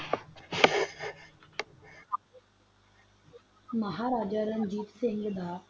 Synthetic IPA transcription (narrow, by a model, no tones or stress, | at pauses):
məɦaːɾaːd͡ʒaːɾənd͡ʒiːtsɪ̃ŋɡd̪aː